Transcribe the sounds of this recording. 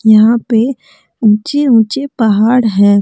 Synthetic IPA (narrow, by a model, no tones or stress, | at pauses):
jɐɦãpe | ũːt͡ʃeũːt͡ʃepɐɦaːɽɦɛ̃ː